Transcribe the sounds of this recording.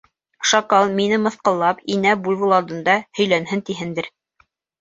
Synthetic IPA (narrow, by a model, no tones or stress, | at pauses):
ʃɑkɑlˠminɘmɤ̆θqɤ̆lˠːɑpinæbulʲvɤ̆lˠɑlˠd̪ɤ̆nd̪ɑhɵ̆jlænɦɘnt̪iɦɘnd̪ɘɾ